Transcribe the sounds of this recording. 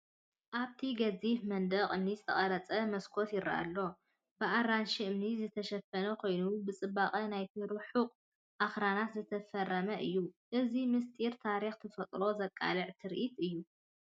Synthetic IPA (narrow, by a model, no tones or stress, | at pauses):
ʔaβt̪ʰiɡɐzifmɐnd̪ɐqʼɨmnizɨt̪ʰɐχʼɐɾɐt͡sʼɐmɐskʰo̞t̪jɪɾa̰ʔa̰lːo̞ | bɨʔaɾanʃiɨmnizɨt̪ʰɐʃɐfɐnɐkʰo̞jnubɨt͡sʼɨbaχʼɐnajt̪ʰiɾɨħuqʼ | ʔaxɾanat̪zɨt̪ʰɐfɐrːɐmɐʔɨjːuʔɨzimɨst̪ʼiɾt̪ʰaɾixt̪ʰɨfɐt̪ʼlo̞zɐkʼːa̰lɨʕt̪ʰɨɾʔit̪ɨjːu